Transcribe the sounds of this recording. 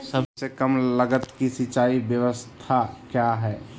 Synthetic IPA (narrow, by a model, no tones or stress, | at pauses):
sɐbsekəmləɡət̪kisɪt͡ʃaːibjəʋəstt̪ʰakjaɦɛː